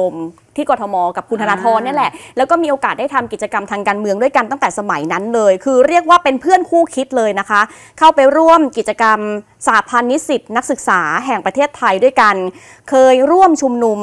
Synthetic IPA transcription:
o˧m | t̪ʰiː˥˩kɔː˧t̪ʰɔ˧mɔː˧ka˨˩p̚kʰu˧nʰa˧aː˧t̪ʰɔː˧nːi˥˩˨lɛ˨˩ʔlɛ˦˥wkɔː˥˩miː˧ʔoː˧kaː˨˩t̪̚da˥˩t̪ʰa˧mki˨˩t͡ɕa˧ka˧mt̪ʰaː˧ŋkaː˧nmɯ˧əŋdu˥˩əjka˧nt̪a˥˩ŋt̪ɛː˨˩sa˧ma˩˦jna˦˥nlɤː˧jkʰɯː˧ɾi˥˩ək̚waː˥˩pe˧npʰɯ˥˩ənkʰuː˥˩kʰi˦˥t̪̚lɤː˧jna˦˥kʰa˦˥ʔ | kʰa˥˩wpa˧jɾu˥˩əmki˨˩t̪̚t͡ɕa˧ka˧m | saː˩˦pʰa˧nːi˦˥si˨˩t̪̚na˦˥k̚sɯ˨˩k̚saː˩˦ɦɛ˨˩ŋpɾa˧t̪ʰeː˥˩t̪ʰːa˧jdu˥˩əjka˧n | kʰɤː˧jɾu˥˩əmt͡ɕʰu˧mnu˧m

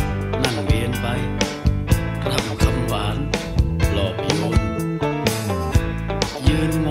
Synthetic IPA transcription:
na˧˩ŋli˧ənpa˧j | t̪ʰa˧˩mkʰa˧mwaː˩˦n | lɔː˨˩p̚i˨˧˩mo˧˩n˧ | jɯː˧nŋ˧

